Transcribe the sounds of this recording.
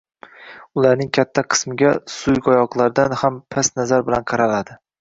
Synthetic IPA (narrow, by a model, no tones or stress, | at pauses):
ʊlaɾnɪŋkʲʰat̪ʰːaqʰɨ̥smɪɡʲasʊjɡɒjɒqlˠaɾd̪anhampʰasnazaɾbɪlanqʰɑɾalad̪ɪ